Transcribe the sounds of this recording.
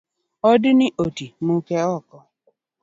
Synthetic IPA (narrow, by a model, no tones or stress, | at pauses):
ɔdɪnɪʔotimukeɔkɔ